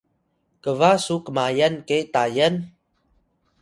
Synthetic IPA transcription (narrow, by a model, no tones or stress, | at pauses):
kəvasukəmajənket̪ajən